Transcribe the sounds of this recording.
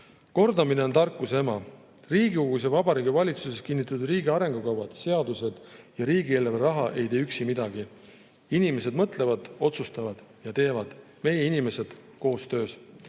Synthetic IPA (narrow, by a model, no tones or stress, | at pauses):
ko̞rd̪ɑmine̞o̞nt̪ɑrkːˑuse̞mɑ | riːɡiuɡus̬jɑvɑbɑɾiːɡivɑlʲit̪suse̞skinːit̪ːˑɑt̪ud̪riːɡiɑɾe̞ŋɡ̥ukɑwvɑd̪̥se̞ɑd̪use̞d̪̥jɑɾiːɡieleveɾɑɦɑʔe̞jt̪eːyksimid̪ɑɡ̥i | inime̞se̞d̪mɤt̪ˑle̞vɑd̪̥o̞t̪sust̪ɑvɑd̪̥jɑt̪e̞ːvɑd̪̥ | me̞jeinʲime̞se̞d̪̥ko̞ːst̪ø̞ːs